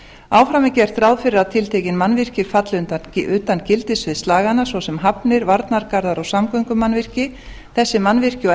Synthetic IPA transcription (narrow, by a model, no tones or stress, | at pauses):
aːwfɾamɛcɪɛr̥t̪ɾawðfɪɾɪɾat̪ʰɪlt̪ʰeːjcɪnmanvɪr̥cɪ̥fat̪lʏnt̪acɪʔʏt̪ancɪlt̪ɪsvɪðst̪aːɣanasvɔsɛmɦapnɪɾvaɾt̪naɾkaɾðaɾɔɣsamkœŋkʏmanvɪr̥cɪ | θɛsːɪmanvɪr̥cɪ